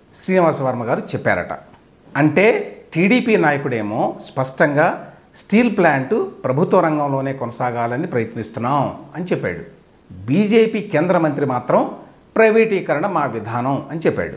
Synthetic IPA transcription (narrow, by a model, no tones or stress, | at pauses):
ʃɾiːniʋaːsɐʋɐɾmɐɡaːɾut͡ʃɛpːa̰ːɾɐ̰ʈɐ̰ | ɐɳʈe̞ːʈiːɽiːpiːnaːjɐkuɽe̞ːmoːspɐʂʈɐŋɡaː | sʈiːlplaːɳʈupɾɐbʱut̪ʋɐɾɐŋɡɐmlo̞ːne̞ːkonɐsaːɡaːlɐnipɾɐjɐt̪nist̪unːaːmɐnit͡ʃepːa̰ːɽu | biːd͡ʒeːpiːkeːnd̪ɾɐmɐnt̪ɾimaːt̪ɾɐm | pɾɐjʋiːʈiːkɐɾɐɳɐmaːʋid̪ʱaːnɐmɐnit͡ʃɛpːa̰ːɽu